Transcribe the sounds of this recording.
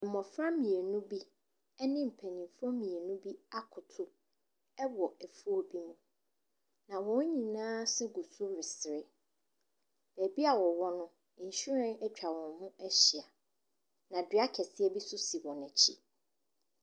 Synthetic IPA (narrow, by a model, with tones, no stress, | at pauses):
m̩˨mɔ̃˨fɾã˦mĩ˨e˨nũ˦bi˦ | ɛ˦nɪ̃˦m̩˨pʰæ˨ɲĩ˨mfɔ˦mĩ˨e˨nũ˦bi˦a˦kʰʊ˨tʰʊ˦ | ɛ˦wɔ˨ɛ˨fu˦o˨bi˦mũ˦ | nã˨wɔ̃˨˦ɲĩ˨nãː˦sɛ˦ɡu˨sʊ˦ɾɪ˨sɪ˨ɾɪ˦ | b̥æ˨bi˦a˨wɔ˨wɔ˦nʊ̃˦˨ | ɲ̩˨ɕu˦ɾɛ̃˦nɛ˦t͡ɕᶣa˨wɔ̃˨nhũ˦ɛ˦ɕɪ˨a˨ | nã˨dɥa˦kʰɛ˨sɪ˦ɛ˦bi˦sʊ˦si˨wɔ̃˨næ̃˨t͡ɕʰi˦